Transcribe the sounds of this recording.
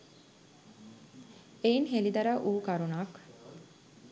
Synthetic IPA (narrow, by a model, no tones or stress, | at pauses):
einɦelid̪ɐɾaʔuːkaɾunaːk